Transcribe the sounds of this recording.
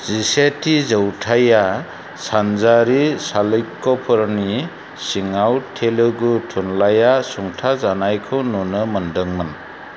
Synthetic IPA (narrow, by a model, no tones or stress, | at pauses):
zisetizəwtʰaja | sanzaɾisalɯjkːɔpʰɯɾni | siŋawtʰelɯɡutʰunlajasuŋtʰazanajkʰɯwnɔnɯmɯndɯŋmɯn